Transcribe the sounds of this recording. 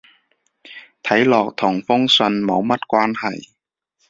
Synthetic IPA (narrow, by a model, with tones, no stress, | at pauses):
t̪ʰɐ˨˥jlɔː˨˩k̚t̪ʰɔ˨˩ŋfʊ˥ŋsə˧nmɐ˨˥wmɐ˦˥t̚kʷwaː˥nhɐ˨˩j